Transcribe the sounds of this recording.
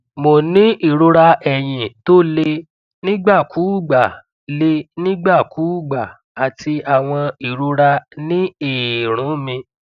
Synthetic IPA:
mo˨nĩ˨˦ʔi˦˨ɾo˧ɾa˧ɛ˨j̃ĩ˨to˦le˧ | nĩ˦ɡ͡ba˦˨kʰuː˨˦˨ɡ͡ba˨ | le˧nĩ˦ɡ͡ba˦˨ku˨˦˨ɡ͡ba˨ | a˨ti˧a˨w̃ɔ̃˧i˨ɾu˧˦ɾa˧nĩ˦i˦˨ɾ̃ũ˨˦mĩ˧

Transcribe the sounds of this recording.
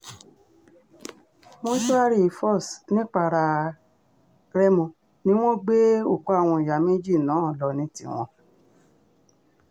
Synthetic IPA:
mõ˦ʃu˦a˦ɾi˦˨i˧˨fɔ˦˨snĩ˦k͡pa˧ɾa˧ | ɾɛ˦mũ˧˨ | nĩ˦w̃ɔ̃˦ɡ͡be˦o˦˨ku˨˦a˦˨w̃ɔ̃˧i˨ja˨mẽ˦d͡ʒi˦˨nãː˨˦˨lɔ˨nĩ˧˦tḭ̃˧w̃ɔ̰̃˧

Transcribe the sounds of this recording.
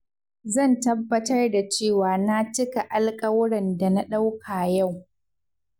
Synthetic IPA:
zɐ˦˨ntɐ˦bːɐ˦tɐ˦rda˨t͡ʃeː˦˨waː˨na˦t͡ʃɪ˦ka˨ʔa˨lkʼɐ˦wʊ˦ɽɛ˨nda˨na˦ɗa˦wkʰaː˨ja˦˨w

